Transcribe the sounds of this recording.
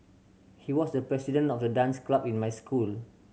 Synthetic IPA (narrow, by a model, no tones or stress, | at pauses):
hiwɔsdəpɹɛsidə̃nɔfdədãnsklapĩnmajskul